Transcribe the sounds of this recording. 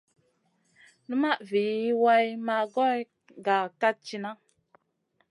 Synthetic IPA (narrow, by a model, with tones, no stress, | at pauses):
nə˦ma˦ʔvi˨i˦wa˦jma˦ɡɔ˦j | ɡa˨ka˦t̚t͡ʃi˦na˦